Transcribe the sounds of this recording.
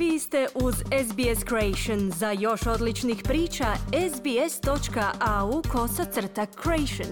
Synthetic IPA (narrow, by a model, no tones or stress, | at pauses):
ʋiːsst̪e̞ʔuzesbieskɾoejʃonzajo̞ʃo̞d̪lit͡ʃnixpɾiːt͡ʃaezbiest̪o̞t͡ʃkaʔaukʰo̞t̪sat̪sr̩t̪akʰːɾoejʃon